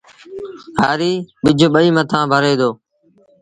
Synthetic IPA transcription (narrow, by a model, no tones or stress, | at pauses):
ɦaːɾiːɓɪd͡ʒʱɓəiːmət̪ʰãːbʱəɾeːd̪oː